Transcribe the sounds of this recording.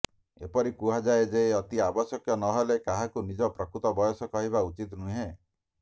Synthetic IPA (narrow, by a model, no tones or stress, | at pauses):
epɔɾikuɦad͡ʒaed͡ʒeɔt̪iabɔsjɔkjɔnɔɦelekaɦakunid͡ʒɔpɾɔkɾut̪ɔbɔjɔsɔkɔɦiβaut͡ʃit̪nũɦe